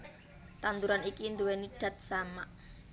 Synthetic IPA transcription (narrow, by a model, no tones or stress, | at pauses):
t̪and̪uɾanikind̪uweniɖ̥a̤t̪̚samaʔ